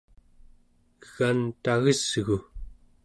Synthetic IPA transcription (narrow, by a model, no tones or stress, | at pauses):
ɣant̪aɣəz̥ɣu